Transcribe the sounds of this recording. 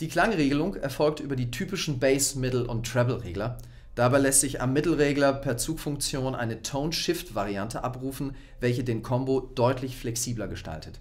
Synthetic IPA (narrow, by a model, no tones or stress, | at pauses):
d̥iːkl̥aŋʁeːɡəlʊŋɛ̰ɐfɔlk̚tʔyːbɐdiːtʰyːpɪʃn̩bɛɪsmɪtl̩ʔʊ̰ntːʁ̥ɛvl̩ʁḛːɡlɐ | d̥abaɪlɛstz̥ɪça̰mːɪtl̩ʁeːɡlɐpʰɛːɐt͡suːkfʊŋkt͡sjoːnʔa̰ɪnətʰoʊnʃɪftv̥aʁiantʰəʔapʁuːfn̩ | vɛlçədeːnkʰɔmbod̥ɔʏtʰlɪçflɛksiːblɐɡəʃta̰ltʰət